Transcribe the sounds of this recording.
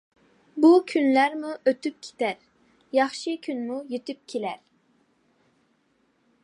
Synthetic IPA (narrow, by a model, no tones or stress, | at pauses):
bukʲʰynlæɾmuʔøt̪yp̚kʲʰe̥t̪æɾ | jɑχʃikʲʰynmujyt̪yp̚kʲʰelæɾ